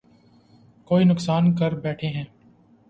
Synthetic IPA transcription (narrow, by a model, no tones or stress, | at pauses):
koːinʊksaːnkɐɾbɛːʈʰeɦɛ̃ː